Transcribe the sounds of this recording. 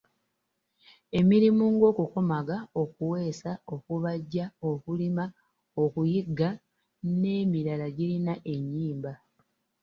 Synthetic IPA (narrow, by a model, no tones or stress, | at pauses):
e̞miɾimuŋɡo̞ːkuko̞maɡao̞kuwe̞ːsao̞kuβaɟːao̞kulima | okujiɡːa | ne̞ːmiɾalaɟiɾinaʔe̞ɲːiːmba